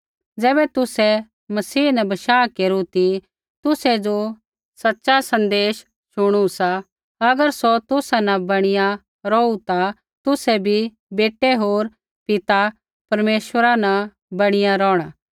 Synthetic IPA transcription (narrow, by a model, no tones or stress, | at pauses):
d͡zɛːbɛt̪ʊsɛ | mɐsiːnɛbɐʃaːkeːɾut̪i | t̪ʊsɛd͡ʒo | sɐtːʃasɐ̃nd̪eːʃ | ʃʊɽ̃usa | ɐɡəɾsot̪ʊsanɐ̃bɐɽ̃ɪja | ɾɔut̪a | t̪ʊsɛbʱi | beːʈɛɦoːɾ | pɪt̪a | pɐɾmeːʃʋəɾanɐ | bɐɽ̃ɪjaɾɔːɽ̃aː